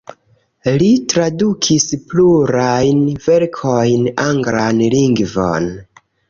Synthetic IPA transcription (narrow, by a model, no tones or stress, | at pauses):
litɾadukʰispluɾajnveɾkʰojnaŋɡɾanliŋɡvo̞̰n